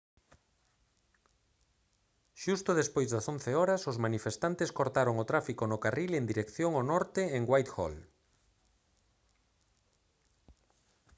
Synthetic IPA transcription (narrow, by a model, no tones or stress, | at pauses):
ʃust̪ʊðespojzðasõnθeɔɾasozmanifest̪ant̪eskoɾt̪aɾoŋot̪ɾafikonʊkarilend̪iɾekθjoŋonɔɾt̪eeŋɡwajt̪xɔ̰l